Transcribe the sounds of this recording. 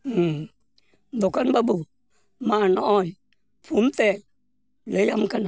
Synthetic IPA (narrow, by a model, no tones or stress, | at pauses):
ndʊkanbabu | manɔɔj | pumtɛ | lɛjamkana